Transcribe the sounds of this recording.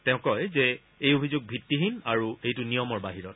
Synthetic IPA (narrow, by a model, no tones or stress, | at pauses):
tɛ̃ʊ̃kɔjzɛ | ejobʱizuɡ̚bʱitːiɦinaɹuejtʊnijɔmɔɹbaɦiɹɔt̚